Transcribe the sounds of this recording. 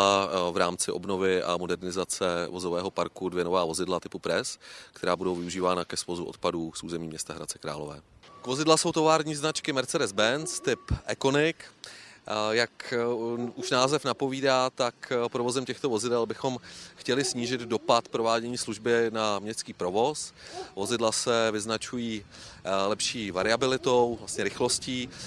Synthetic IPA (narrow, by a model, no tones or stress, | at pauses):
avɾaːmt͡sɪʔo̞̰bno̞vɪʔa̰modɛɾnɪzat͡sɛvo̞zovɛːɦo̞paɾkudvjɛnovaːvo̞zɪdlat̪ɪpupɾɛskt̪ɛɾaːbudowvɪuʒiːvaːnakɛsvozuo̰t̪̚paduːsʔuːzɛmiːmɲɛst̪aɦɾat̪t͡sɛ̥kɾa̰ːlo̞vɛ̰ː | kvo̞zɪdlaso̞wt̪o̞vaːɾɲiːznat͡ʃkɪmɛɾt͡sɛdɛzbɛnt͡st̪ɪpʔɛko̞nɪk | jak | ʔuʃnaːzɛfnapo̞viːdaːt̪akpɾo̞vo̞zɛmcɛxt̪o̞vo̞zɪdɛlbɪxo̞mxcɛlɪsɲiːʒɪd̪do̞pat̪pɾo̞vaːɟɛɲiːsluʒbɪnamɲɛst̪t͡skiːpɾo̞vo̞svo̞zɪdlasɛvɪznat͡ʃujiː | lɛpʃiːvaɾɪabɪlɪt̪o̞wvlast̪ɲɛɾɪxlo̞sciː